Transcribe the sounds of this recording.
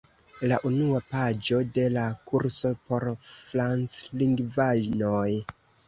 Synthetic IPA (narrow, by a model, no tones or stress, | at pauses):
laʔunuapad͡ʒo̞de̞lakʰuɾso̞po̞ɾfɾant͡sliŋɡvanoj